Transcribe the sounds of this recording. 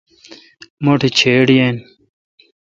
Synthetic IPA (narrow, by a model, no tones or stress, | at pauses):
moʈʰit͡ɕʰeːɽijen